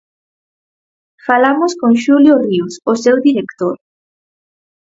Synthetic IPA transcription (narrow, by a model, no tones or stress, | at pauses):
falamʊskõŋʃuljoriwsʊsewðiɾekt̪oɾ